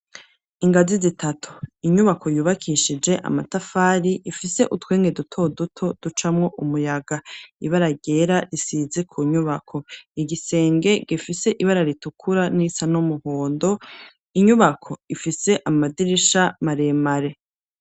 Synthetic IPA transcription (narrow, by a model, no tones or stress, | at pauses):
iŋɡazizitʰatʰu̥iɲuβakʰo̞juːβakʰiʃid͡ʒe̞ʔa̰matafaːɾiʔifise̞ʔutwe̞ːŋɡe̞dutʰo̞dutʰo̞d̥ut͡ʃamŋo̞ʔumujaɡaḭβaɾaɟe̞ːɾaɾisize̞kʰuɲuβakʰo̞iɡise̞ːŋɡe̞ɡifise̞ʔiβaɾaɾitukʰuɾanisanomuhoːndo̞ | iɲuβakʰo̞ifise̞ʔamadiɾiʃamaɾe̞maɾe̞